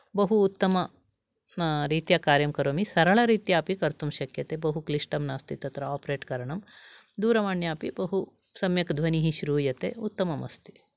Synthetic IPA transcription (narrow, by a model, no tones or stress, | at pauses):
bɐɦuːt̪ːɐmɐ | ɾiːt̪jaːkaːɾjɐmkɐɾoːmisɐɾɐɭɐɾiːt̪jaːpikɐɾt̪umʃɐkjɐt̪eːbɐɦukliʂʈɐmnaːst̪it̪ɐt̪ɾɐaːpɾeːʈkɐɾɐɳɐm | d̪uːɾɐmaːɳjaːpibɐɦu | sɐmjɐkd̪ʱʋɐniɦiʃɾuːjɐt̪ḛːut̪ːɐmɐmɐ̰st̪i̥